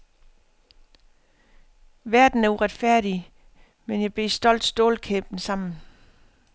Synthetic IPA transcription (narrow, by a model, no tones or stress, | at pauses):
ʋæɐd̥n̩æɐuʁad̥fæɐ̰ɾ̥i | menjɑ̈ɪb̥e̝̰ːsd̥ɒ̽l̰d̥sd̥o̝ːlkʰeb̥n̩sɑ̈m̰n̩